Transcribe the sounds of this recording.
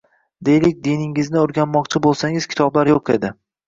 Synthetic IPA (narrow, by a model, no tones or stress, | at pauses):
d̪e̞jlɪk̚ʲd̪inɪŋɪznɪoɾɡʲanmɒqt͡ʃʰɪbolˠsaŋɪz̥kʲʰɪ̥t̪ʰɒblaɾjoqe̞̰d̪ɪ